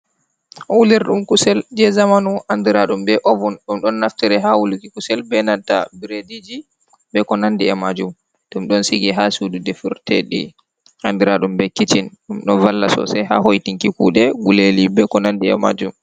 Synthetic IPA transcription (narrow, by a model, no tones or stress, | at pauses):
ʔɔwuliɾɗumkusɛld͡ʒɛzamanuʔandiɾaɗumbɛʔɔvɔnɗumɗɔnːaftiɾɛɦawulikikusɛlbɛnanta̰biɾedid͡ʒi | bɛkɔnandiɛmad͡ʒum | ɗumɗɔnsiɡɛɦasududɛfuɾtɛ̰ɗḭ | andiɾaɗumbɛkit͡ʃinɗumɗɔvalːasɔ̰sɛjɦa̰ɦojtiŋkikṵːɗɛɡulelibɛkɔnandiɛ̰ma̰d͡ʒum